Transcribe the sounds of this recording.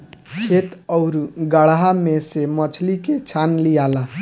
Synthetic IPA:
kʰet̪ɔʊɾuɡaɭaɦamesemət͡ʃʰliket͡ʃʰanlijala

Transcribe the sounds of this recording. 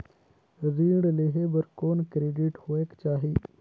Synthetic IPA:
ɾəziːɽleːɦebəɾkoːnkɾeːɖiʈhoːeːkt͡ʃaːɦiː

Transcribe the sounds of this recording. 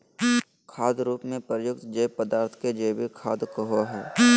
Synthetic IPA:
kʰaːd̪ɾuːpmẽpəjʊk̚t̪d͡ʒepəd̪aːɾt̪ʰked͡ʒeːbikʰaːd̪kəɦoɦɛː

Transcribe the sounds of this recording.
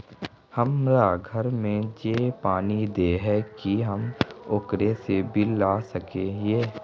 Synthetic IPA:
həmɾaɡʱəɾmẽd͡ʒeːpaːnid̪eɦɛkiɦɐmoːkɾesebʱilaːsəkejeː

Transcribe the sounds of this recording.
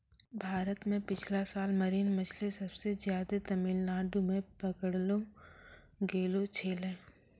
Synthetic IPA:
bʱaːɾət̪mẽpɪt͡ʃʰlasaːlmɐɾiːnmət͡ʃʰlesɐbsezjaːd̪et̪ɐmɪlnaːɖumẽpɐkəɽlo | ɡeːlot͡ʃʰeːlẽː

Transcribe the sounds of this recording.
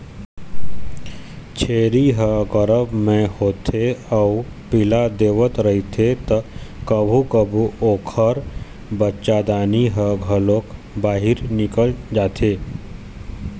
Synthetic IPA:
t͡ʃʰeːɾiɦəɡəɾəbmẽhoːt̪ʰeɔʊ | pɪlad̪eːʋət̪ɾɐɦit̪ʰet̪əkəbʱukəbʱuoːkʰəɾ | bətːʃad̪aːniɦəɡʱəloːk | baːɦɪɾnɪkəld͡ʒaːt̪ʰeː

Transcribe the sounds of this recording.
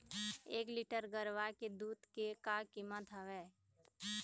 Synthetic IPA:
eːklɪʈəɾɡəɾʋaked̪uːd̪kekakɪmət̪ʰəʋɛː

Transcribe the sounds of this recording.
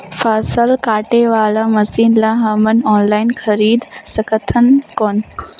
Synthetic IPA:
faːsəlkaːʈeʋaːlamɐsiːnlãɦɐmənɔːnlaːɪnxʰɐɾiːd̪sɐkʰət̪ʰənkoːn

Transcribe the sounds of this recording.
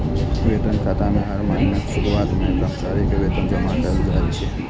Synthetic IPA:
ʋet̪ənkʰat̪ameɦaɾmaɦnəkʃuɾuat̪nẽɡɾəmsaɾikʋet̪ənd͡ʒəmat̪əld͡ʒʱaɾit͡ʃʰe

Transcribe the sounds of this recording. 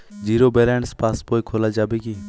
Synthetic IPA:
d͡ʒiːɾoːbeːlɛ̃ːɳɖspaːspoːiːkʰoːlaːd͡ʒaːbeːɡiː

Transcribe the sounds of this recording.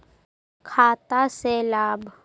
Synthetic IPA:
kʰaːt̪aseːlaːbʱ

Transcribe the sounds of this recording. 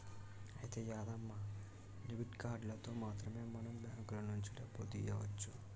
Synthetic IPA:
ɐjit̪eːjaːd̪ɐmːa | nibiʈkaːɾɖlɐt̪o̞ːmaːt̪ɾɐmeːmɐnɐmbaːŋkulɐnuɲt͡ʃilɐpot̪ijɐʋɐt͡ʃːu

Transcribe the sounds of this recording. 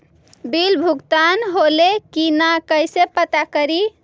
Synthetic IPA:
bilbʱuɡt̪anɦolekinakəjsepət̪akəɾi

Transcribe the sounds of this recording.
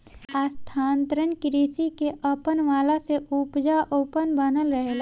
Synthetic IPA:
aːst̪ʰaːnt̪ɾənkɪɾiːsikeʔəpənʋaːlaseʔupd͡ʒaʔoːpənbənəlɾəɦel

